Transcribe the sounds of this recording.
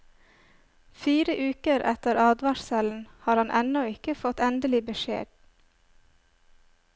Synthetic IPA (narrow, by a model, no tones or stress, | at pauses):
fiːɾəʔʉːkəɾʔɛt̪əɾɑːd̪ʋɑʃsɛln̩hɑːɾhɑnʔɛnɔɪkəfɔt̪ɛnd̪əlɪbəʃḛːɖ